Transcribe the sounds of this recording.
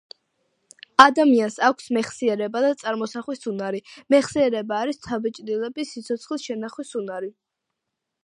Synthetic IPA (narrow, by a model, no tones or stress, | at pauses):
ad̪amiansakʷʰsmɛχsiɛɾɛbad̪at̪sʼaɾmɔsaχwisunaɾimɛχsiɛɾɛbaːɾist̪sʰabɛt͡ʃʼd̪ilˠɛbisit̪sʰɔt̪sʰχlisʃɛnaχwisunaɾi